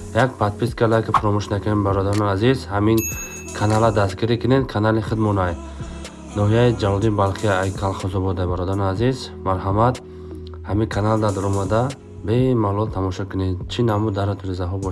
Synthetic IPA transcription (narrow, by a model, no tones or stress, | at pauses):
jak̚pʰat̪̚pʰiskalajkʰifuɾɔmuʃnakʰynembaɾɔd̪aɾɔniazizhamin | kʰanalad̪astɡiɾikʰined̪kʰanaliχəd̪mɔnaj | nɔɦijaid͡ʒalɔd̪ibalχijaajkʰalχɔzɔbɔd̪ajbaɾɔd̪aɾɔniazizmaɾɦamat̪ | hamikʰanald̪ad̪ɔɾɔmad̪a | bemalˠɔlt̪ʰamɔʃɔkʰuned̪t͡ʃʰinamud̪aɾat̪ʰuɾizaɦɔbɔʃ